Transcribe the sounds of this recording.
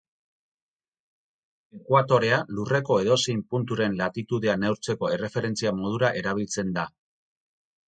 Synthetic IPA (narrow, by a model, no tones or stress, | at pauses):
e̞kwat̪o̞ɾe̞alure̞ko̞e̞ðo̞sejmpunt̪uɾe̞nlat̪it̪uðeanewɾt͡se̞ko̞e̞re̞fe̞ɾe̞nt͡siamo̞ð̞uɾaʔe̞ɾaβ̞ilt͡se̞nd̪a